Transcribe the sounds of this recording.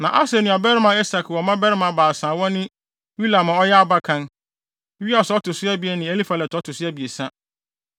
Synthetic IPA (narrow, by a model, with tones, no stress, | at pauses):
nã˨ʔa˦sɛ˨nũ˨a˨bɛ˦ɾɪ˦mã˨˦ɛ˦sa˨kʰɔ˨mã˦bɛ˦ɾɪ˦mã˨baː˨sãː˨wɔ̃˦nɪ̃˦ | wi˦la˨mã˨ɔ˦jɛ˦a˦ba˦kʰã˦n˦ | ɥi˦a˨sɔ˦tʊ˨sʊ˦a˦bi˨ɛ˨nɪ̃˨e˦li˦fa˨lɛ˨tɔ˦tʰʊ˨sʊ˦ɛ˦bi˨e˨sã˦